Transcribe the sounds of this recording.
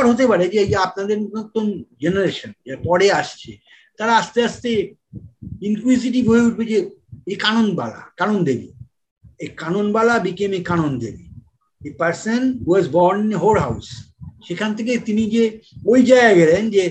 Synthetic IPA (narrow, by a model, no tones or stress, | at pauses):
ɾɦot̪epaɾed͡ʒeejaap̚nad̪eɾunot̪ond͡ʒenaɾeʃənd͡ʒepɔɽeaʃt͡ʃʰḛ | t̪aɾaaʃt̪east̪e | iŋkuis̬iʈ̬ibʱoɦeuʈ̚bed͡ʒeekanonba̰la̰kanond̪ebḭ | ekanonbalabikemekanond̪ḛbḭ | epaɾsənɦuwɔzbɔɾninɦolɦawsʃekʰant̪ʰek̬et̪inid͡ʒebojd͡ʒajaɡɛlend͡ʒe